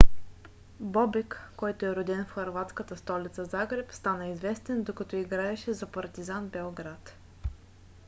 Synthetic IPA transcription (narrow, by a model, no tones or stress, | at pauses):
bɔbɛkːɔjt̪oɛɾʊd̪ɛnfxɐɾvat̪skət̪əst̪ɔlit̪səzaɡɾɛpst̪anəizvɛst̪ɛnd̪okɐt̪ɔiɡɾaɛʃɛzɐpɐɾt̪izanbɛlˠɡɾat̪